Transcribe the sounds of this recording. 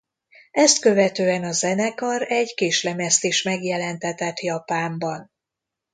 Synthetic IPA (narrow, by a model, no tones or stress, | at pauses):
ɛst̪kø̞vɛt̪øːɛnɒzɛnɛkɒɾɛɟkeːʃlɛmɛst̪eːʃmɛɡjɛlɛnt̪ɛt̪ɛt̪jɒpaːmbɒn